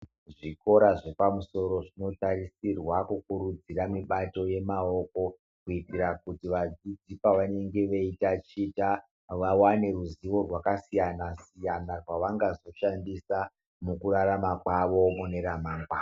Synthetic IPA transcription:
ʐiko̞ɾaʐe̞pamuso̞ɾo̞ʐino̞tarisirwakukuɾud͡ziramiɓato̞je̞mao̞ko̞ | kuitirakutiʋad͡zid͡zipaʋane̞ŋɡe̞ʋeitat͡ʃita | ʋawane̞ɾuziʋo̞rwakasijanasijanarwaʋaŋɡazo̞ʃandisa | mukuraɾamakwaʋo̞mune̞ɾamaːŋɡwa

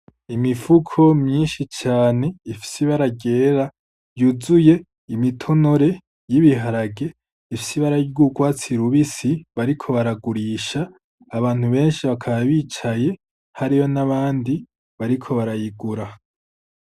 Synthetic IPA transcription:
imifukʰo̞mɲiːnʃit͡ʃaːne̞ifi̥siβaɾaɡe̞ːɾa | juzuje̞ | imitʰo̞no̞ɾe̞ | jiβiɦaɾaɡe̞ | ifisiβaɾajiɡuɡwaːt͡siɾuβisiβaɾikʰo̞βaɾaɡuɾiːʃaː | βaːn̥huβe̞ːnʃiβakʰaβaβiːt͡ʃaje̞ | haɾijo̞naβaːndi | βaɾikʰo̞βaɾajiɡuɾa

